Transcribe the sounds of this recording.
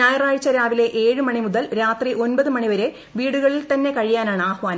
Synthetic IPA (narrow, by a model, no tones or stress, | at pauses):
naːjiraːɻt͡ɕːɐɾaːʋile̞ʔeːɻɨmɐɳimuðɐlɾaːt̪riʔo̞nbɐðɨmɐɳiʋɐɾe̞ | ʋiːɽuɣɐɭilt̪ɐnːe̞kɐɻijaːnaːɳɨaːhʋaːnɐ